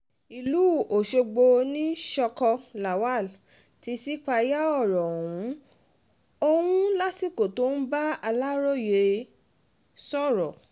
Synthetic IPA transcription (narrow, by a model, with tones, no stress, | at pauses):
i˨luː˨˦o˨ʃo˧ɡ͡bo˧nĩ˦ʃɔ˧kɔ˧la˨wa˦˨l | ti˧si˦k͡pa˧ja˦ɔ˦˨ɾɔ˨ũ˨˦ | o˧wũ˦la˦si˦˨ko˨to˨˦n̩˦ba˦a˧la˦ɾɔ˦˨je˨˧ | sɔ˦˨ɾɔ˨